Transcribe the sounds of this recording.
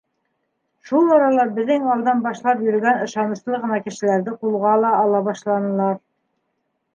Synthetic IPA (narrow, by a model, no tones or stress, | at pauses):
ʃulˠɑɾɑlˠɑbɘ̆ðːɘŋɑlˠd̪ɑnbɑʃlˠɑpjɵ̆ɾ̆ɡænɤ̆ʃɑnɤ̆slˠɤʁɤ̆nɑkɘ̆ʃɘ̆læɾðɘqulˠʁɑlˠɑʔːlˠɑβɑʃlˠɑnɤ̆lˠɑɾ